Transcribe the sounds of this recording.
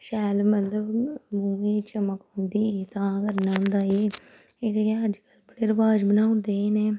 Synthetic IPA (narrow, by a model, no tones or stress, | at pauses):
ʃɛːlmət̪ləbmuːẽːt͡ʃəməkɦʊ̃nd̪iːet̪ãːəɡəɾnaːnd̪aːeː | ɪseeəd͡ʒkəlbəɽeːɾəʋaːd͡ʒbənaːund̪eːneː